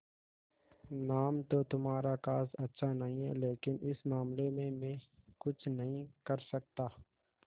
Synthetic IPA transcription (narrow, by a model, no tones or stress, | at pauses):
naːmt̪ot̪ʊmaːɾakaːsɐtːʃʰanɐɦĩɦɛ̰leːkɪnɪsmaːmlemẽmẽːkʊt͡ʃʰnɐɦĩkɐɾsɐk̚t̪aː